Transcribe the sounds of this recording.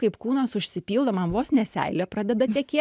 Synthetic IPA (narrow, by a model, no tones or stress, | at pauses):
kɐɪpkuːnɐsʊʃʲsʲɪpʲiːlˠd̪oːmɐmʋoːsnʲɛsʲæ̰ɪlʲopɾɑːd̪ʲɛd̪ɐt̪ʲɛkʲeːt